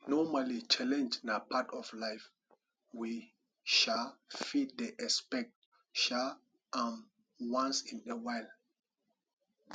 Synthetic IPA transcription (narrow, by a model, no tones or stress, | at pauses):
nɔmalit͡ʃalɛ̃nd͡ʒnapʰatɔvlaɪf | wi | ʃalfid̚dəʔɛspɛk̚t | ʃa | am | wãnsĩnəwaɪl